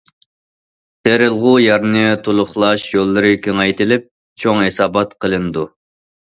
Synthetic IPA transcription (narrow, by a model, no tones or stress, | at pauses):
t̪ʰeɾɪlˠʁujɑɾnɨt̪ʰulˠʊχlˠɑʃjolˠːɨɾɨkʲʰøŋɛjt̪ɪlɪp̚ | t͡ʃʰoŋhesɑːbɑt̪qʰəlˠɨnɨd̪u